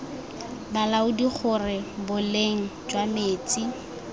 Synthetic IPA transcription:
balaʊdik͡xʰʊrɪbʊleŋ̩d͡ʒwameːt͡si

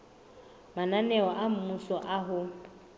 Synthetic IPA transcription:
mananɛɔʔam̩musɔʔaɦʊ

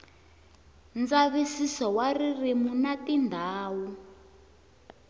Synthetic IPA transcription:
nd͡zaβisisɔwaririmunatindʱaːwu

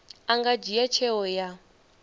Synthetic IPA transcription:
aŋɡad͡ʒijat͡ʃʰɛwɔja

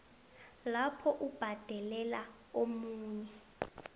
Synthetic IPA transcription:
lapʰɔʔub̥ʱad̥ʱɛlɛla | omuːɲɛ

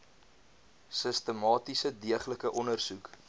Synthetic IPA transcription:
səstəmɑːtisədiəχləkəʔɔnərsuk

